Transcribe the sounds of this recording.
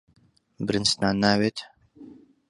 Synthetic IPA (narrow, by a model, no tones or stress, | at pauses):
bɪɾɨnsnaːnːaːweːt̪